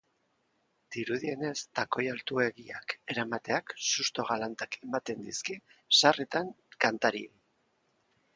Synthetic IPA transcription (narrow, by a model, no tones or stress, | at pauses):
d̪̥iɾuðie̞ne̞st̪ako̞jalt̪ue̞ɣiake̞ɾamat̪e̞aksust̪o̞ɣalant̪akʰe̞mat̪e̞nd̪iskisaret̪aŋ | kant̪aɾḭ